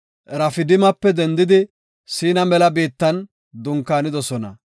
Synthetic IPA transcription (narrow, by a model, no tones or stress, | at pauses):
ɾɐfɪd̪ɪmɐpːɛd̪ɛnd̪ɪd̪ɪ | siːnɐmɛlɐbiːt̪ːɐn | d̪ʊŋkːaːnɪd̪ɔsɔnɐ̰